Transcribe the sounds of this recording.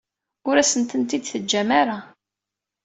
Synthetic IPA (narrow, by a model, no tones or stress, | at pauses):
ʊɾæsənt̪ənt̪id̪θəd͡ʒːæmaɾa